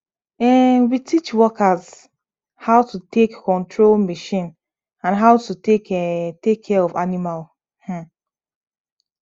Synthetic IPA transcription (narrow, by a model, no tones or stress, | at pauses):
ɛwitʰit͡ʃwɔkaz | haʊtutekːɔ̃ntʰɹolmiʃĩn | ãnɦaʊtutekɛtekʰːɛɹɔvanimal | h̩